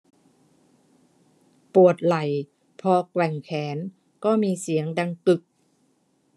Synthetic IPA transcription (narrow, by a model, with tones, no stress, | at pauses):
pu˨˩ət̪̚la˨˩j | pʰɔː˧kwɛ˨˩ŋkʰɛː˩˦n | kɔː˥˩miː˧si˨˩˦əŋda˧ŋkɯ˨˩k̚